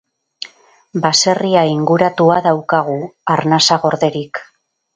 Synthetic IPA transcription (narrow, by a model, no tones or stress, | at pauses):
base̞riaiŋɡuɾat̪uaðawkaɣ̞uaɾnasaɣo̞ɾðe̞ɾik